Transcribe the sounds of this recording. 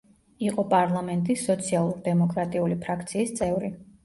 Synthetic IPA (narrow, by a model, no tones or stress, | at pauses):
iqʼɔpʼaɾlˠamɛnt̪ʼisːɔt̪sʰialˠuɾd̪ɛmɔkʼɾat̪ʼiulipʰɾakʰt̪sʰiːst̪sʼɛvɾi